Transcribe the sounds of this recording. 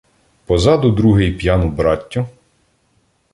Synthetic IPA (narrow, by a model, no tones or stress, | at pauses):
pɔzɑd̪ʊd̪ɾuɦɪjpjɑnʊbɾɑtʲːʊ